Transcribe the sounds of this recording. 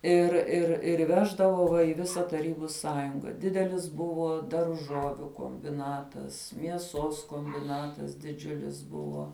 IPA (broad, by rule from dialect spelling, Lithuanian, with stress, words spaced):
ɪr ɪr ɪr ˈʋʲæːʒdɐʋoː ʋɐ ɪ ˈʋʲɪsɐ tɐˈrʲiːbʊ ˈsɑːjʊŋɡɐ ˈdʲɪdʲɛlʲɪs ˈbʊʋoː dɐrˈʒoːʋʲʊ koːmʲbʲɪˈnɑːtɐs mʲiɛˈsoːs koːmʲbʲɪˈnɑːtɐs dʲɪˈd͡ʒʲʊlʲɪs ˈbʊʋoː